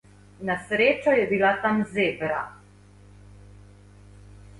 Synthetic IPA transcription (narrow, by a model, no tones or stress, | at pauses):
nasɾeːt͡ʃɔjɛbilat̪amzeːbɾa̰